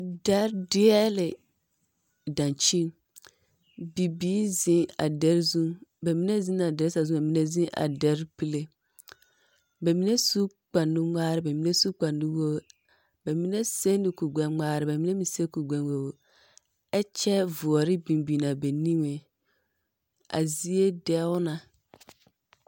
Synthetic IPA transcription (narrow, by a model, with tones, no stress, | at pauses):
dɛ˦ɾdɪ˦ɛ˦lɪ˨ | dã˨nt͡ʃi˦n | bi˨biː˦zɪ̃˦a̰˨dɛ˦ɾzũ˦bɛ˨mi˦nɛ˦zi˦na˨dɛ˦ɾsa˨zũ˦ɛ˨mi˨˦nɛ˦zĩ˦ʔa̰˨dɛ˨ɾpi˦le˦ | bɛ˨mi˨˦ne˦su˦ | k͡pa˨ndu˦ŋaː˦ɾɪ˦bɛ˨mi˨ne˦su˦k͡pa˨ndu˦wo˦ | bɛ˨mi˦ne˦se˦ndɪ˨ku˨ɡ͡bɛ˦nŋ͡maː˦ɾɪ˦bɛ˨mi˦ne˦mĩ˨se˦ku˨ɡ͡bɛ˨nwo˨wo˨ | ɛ˦t͡ʃɛ˦vʊ˨ɔ˨ɾɪ˦bĩ˨mbi˨na˨be˨ni˦ŋe˨ | a̰˨zi˦e˦dɛ˦ʊ˦na˨